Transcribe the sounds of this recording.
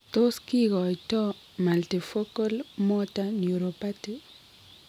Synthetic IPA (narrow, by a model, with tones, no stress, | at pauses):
t̪o˦ski˦kɔ˨i˨tɔ˦ | ma˨lti˨fo˦ko˦lmo˦tanu˨ɾo˨pa˦ti